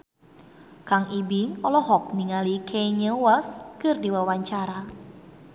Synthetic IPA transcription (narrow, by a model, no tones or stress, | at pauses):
kaŋʔibɪŋɔlɔɦɔk̚niŋalikʰeɲəwaskɨrdiwawaɲt͡ʃaɾa